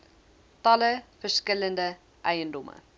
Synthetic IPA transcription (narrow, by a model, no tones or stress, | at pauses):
tɐləfərskələndə | ʔɛjəndɔmə̰